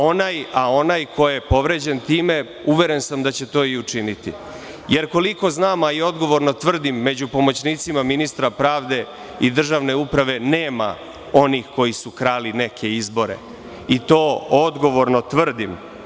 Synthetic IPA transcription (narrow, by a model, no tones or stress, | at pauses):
o̞najao̞najkʰo̞jepo̞ʋɾe̞d͡ʑe̞nt̪iːme̞ | uʋe̞ɾe̞nsamd̪at͡ɕe̞t̪o̞ːiut͡ʂinit̪ḭ | je̞ɾko̞liko̞znaːmaio̞d̪ɡo̞ʋo̞ɾno̞t̪ʋr̩d̪imːe̞d͡ʑupo̞mo̞t͡ɕniːt̪simaminist̪ɾapɾaːʋd̪e̞ | id̪r̩ʒaʋne̞upɾaʋe̞neːma̰ | o̞niːxko̞jisukɾaːline̞kʰe̞izbo̞ɾe̞̰ | it̪o̞ːod̪ɡo̞ʋo̞ɾno̞t̪ʋr̩d̪im